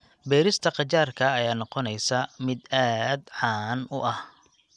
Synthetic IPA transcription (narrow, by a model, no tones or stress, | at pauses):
bɛːɾɪst̪ʰɐqɑt͡ʃaːrkʰɐːjaːnɔqɔnɛjsɐmɪd̪aːd̪ʕɑːnʊʔɐh